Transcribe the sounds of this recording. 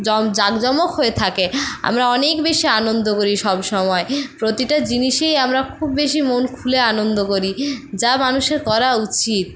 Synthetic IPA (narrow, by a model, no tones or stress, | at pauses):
ɔd͡ʑaɡd͡ʑɔmokɦoet̪ʰakea̰mɾaɔnekbeʃianond̪okoɾiʃɔbʃɔmɔepɾot̪iʈad͡ʑiniʃejamɾakʰubːeʃimonkʰuleanond̪okoɾid͡ʑamanuʃeɾkɔɾaut͡ɕit̪̚